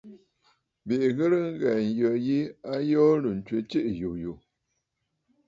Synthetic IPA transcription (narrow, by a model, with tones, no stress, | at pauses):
bi˨ʔɣə˦ɾə˦ŋ̩˦ɣɛ˨n̩˨jɔ˨ji˦a˦jɔ˦lə˨n̩˨t͡ʃwe˨t͡ʃi˦ʔju˨ju˨